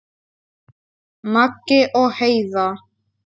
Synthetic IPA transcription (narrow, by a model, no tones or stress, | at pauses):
makeʔohejða